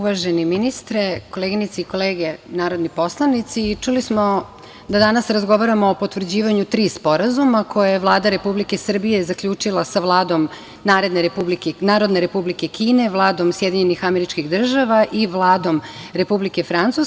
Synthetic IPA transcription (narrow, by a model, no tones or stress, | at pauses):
uʋaʒeniminist̪ɾe̞ko̞leɡinit̪siiko̞leːɡe̞naːɾo̞d̪nipo̞slˠanit̪siːt͡ʂulismo | d̪ad̪anasɾazɡo̞ʋaɾamoːpo̞t̪ʋr̩d͡ʑiːʋaɲut̪ɾiːspo̞ɾazumako̞jajeʋlˠaːd̪aɾe̞publikesr̩bije̞zakʎuːt͡ʂilˠasaʋlˠaːd̪o̞m | naːɾe̞d̪neɾepublikenaːɾod̪ne̞ɾe̞publike̞kiːne̞ʋlˠaːd̪o̞msjed̪iɲe̞nixame̞ɾit͡ʃkiɣd̪r̩ʒaʋaʔiʋlˠaːd̪o̞mɾe̞publike̞fɾant̪sus